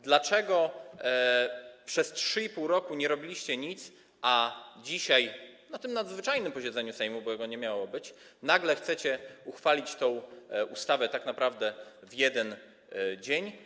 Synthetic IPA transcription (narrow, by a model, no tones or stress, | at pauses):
d̪lat͡ʂɛɡɔ | pʂɛstʂɘipuwɾɔkuɲɛɾɔbʲilʲiɕt͡ɕɛɲit̪s | ʔad͡ʑiɕajnat̪ɘmnad̪zvɘt͡ʂajnɘmpɔɕɛd̪zɛɲusɛjmubɔjɛɡɔɲɛmʲjawɔbɘt͡ɕnaɡlɛxt̪sɛt͡ɕɛuxfalʲit͡ɕt̪ɔ̃w̃ʔust̪avɛt̪aknapɾavd̪ɛvjɛd̪ɛn | d͡ʑeɲ